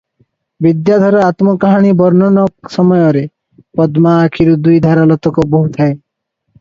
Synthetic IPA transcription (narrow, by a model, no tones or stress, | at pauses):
bid̪jad̪ʱɔɾɔat̪mɔkaɦaɽ̃ibɔɾnɔnɔk̚sɔmɔjɔɾe | pɔd̪maːkʰiɾud̪ujd̪ʱaɾalɔt̪ɔkɔboɦut̪ʰae